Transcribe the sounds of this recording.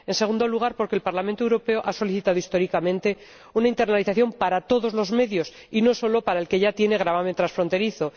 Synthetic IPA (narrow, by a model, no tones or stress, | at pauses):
e̞nse̞ɣund̪o̞luɣ̞aɾpo̞ɾkelpaɾlament̪owɾope̞o̞ʔaso̞liθit̪aðoist̪o̞ɾikamẽnt̪e̞ | unaint̪e̞rnaliθaθjo̞mpaɾat̪o̞ðo̞zlo̞zme̞ðjo̞s | ino̞so̞lo̞paɾaelke̞ʝat̪je̞ne̞ɣ̞ɾaβament̪ɾasfɾo̞nt̪e̞ɾiθo̞